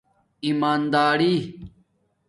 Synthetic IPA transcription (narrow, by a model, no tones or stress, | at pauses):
imaːnd̪aːɾiː